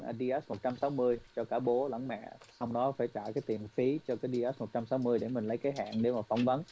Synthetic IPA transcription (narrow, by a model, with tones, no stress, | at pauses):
ʔaː˨˩ɗi˧ʔɛ˦˥s̚mo˨˩t̚t͡ɕa˧msa˨˦wmɨ˧əjt͡ɕɔ˧kaː˧˩ɓo˨˦la̰˧˥˩ŋmɛ̰˧˨sa˧wŋ͡mɗɔ˨˦faː˧˩jt͡ɕaː˧˨kaː˨˦jt̪i˨˩mfi˨˦t͡ɕɔ˧kaː˨˦jɗi˧ʔɛ˦˥mo˨˩t̚t͡ɕa˧msa˨˦wmɨ˧əjɗe˧˩mï˨˩lə˨˦jkaː˨˦jɦa̰ː˧˨nɗe˧˩maː˨˩fɔ˧wŋ͡mvə˨˦n